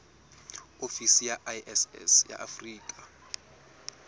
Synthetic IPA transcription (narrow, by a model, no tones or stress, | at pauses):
ofisijaʔjʔɛsɛ̰sja̰ʔafriːkʼa